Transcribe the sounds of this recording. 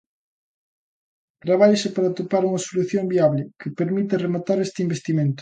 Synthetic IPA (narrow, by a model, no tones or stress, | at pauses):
t̪ɾaβ̞aʎesɪpaɾɐt̪opaɾuŋɐsoluθjõmbiaβlɪkɪpeɾmit̪ɐremat̪aɾest̪ɪimbest̪imẽnt̪ʊ̥